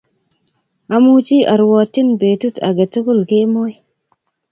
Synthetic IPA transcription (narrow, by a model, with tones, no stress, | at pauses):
ʔa˨mu˦t͡ʃi˦ʔa˨ɾwɔ˨tːi˦nbe˨tu˦ta̰˨ɡe˨to˦ku˦lɡe˦mo˦j